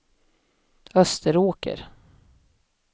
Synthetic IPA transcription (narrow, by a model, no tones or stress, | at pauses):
œst̪ʰəɾoːkə̰ɾ